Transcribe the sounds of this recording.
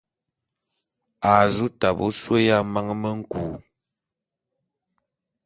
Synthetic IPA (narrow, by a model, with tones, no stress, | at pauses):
a˨zu˦ta˨bo̰˦swə˦ja˦ma˦ŋ˦mə˦ŋ̩˦kuː˨